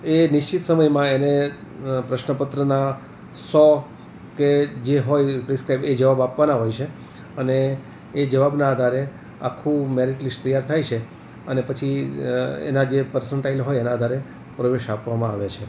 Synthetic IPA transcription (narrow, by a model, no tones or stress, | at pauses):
enɪʃt͡ʃit̪səməjmãenepɾəʃnəpət̪ɾəna | sɔ | ked͡ʒeɦojpɾiskɾaibed͡ʒəʋabapʋanaɦojt͡ʃʰe | əneː | d͡ʒəʋabnaːd̪ʱaɾe | a̰kʰːũmeɾiʈlist̪əjaɾt̪ʰajt͡ʃʰe | ənepət͡ʃʰi | ḛnad͡ʒepəɾsəɳʈailɦojenãːd̪ʱaɾe | pɾəʋeʃapʋamãaʋet͡ʃʰe